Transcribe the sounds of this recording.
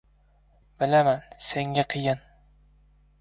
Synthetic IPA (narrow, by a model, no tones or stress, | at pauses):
b̥ɪlamanseŋɡʲaqʰɨjɪn